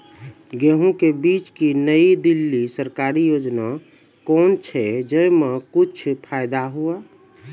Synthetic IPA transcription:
ɡeɦũkebit͡ʃkinəid̪ilːisəɾkaɾijod͡ʒna | kɔːnt͡ʃʰɛd͡ʒəjmẽkut͡ʃʰpʰaɪd̪aɦua

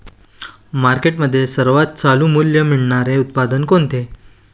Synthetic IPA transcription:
maɾkeʈməd̪ʱːjesəɾʋat̪̚t͡salũːmuljəmiɭɳaɾeut̪̚pad̪ənkont̪e

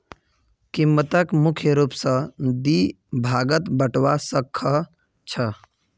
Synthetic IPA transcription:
kimːət̪əkmukʰjəɾupsə̃d̪i | bʱaɡət̪bəʈwasəkʰːə | t͡ʃʰə

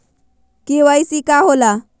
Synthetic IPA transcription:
kĩʋajisikaɦola

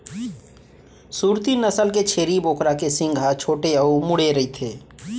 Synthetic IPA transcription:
suːɾt̪inəsəlket͡ʃʰeːɾiboːkɾakesɪ̃ŋɡʱat͡ʃʰoːʈeəumʊɽeɾɐit̪ʰeː

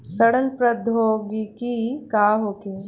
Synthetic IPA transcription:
sɐɽənpɾɐd̪ʱoːɡikikaːɦoːke

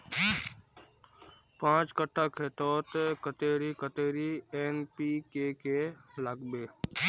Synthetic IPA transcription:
pãːt͡ʃkəʈʰːakʰeːt̪ɔːt̪kət̪eːɾikət̪eːɾieːnpiːkeːkeləɡbeː

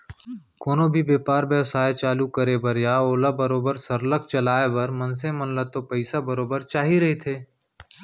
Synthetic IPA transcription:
koːnobʱibeːpaːɾbjəʋsaːet͡ʃaːlukɐɾebɐɾjaːoːlabɐɾoːbəɾsɐɾlək̚t͡ʃɐlaːebɐɾmɐ̃ns̬ẽmɐnlət̪opɐɪsabɐɾoːbəɾt͡ʃaːɦiɾɐɦit̪ʰeː

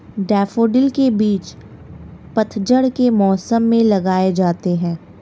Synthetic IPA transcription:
ɖɛːfoːɖɪlkebiːt͡ʃ | pɐt̪ʰd͡ʒəɽkemɔːsəmːẽlɐɡaːed͡ʒaːt̪eɦɛ̃ː

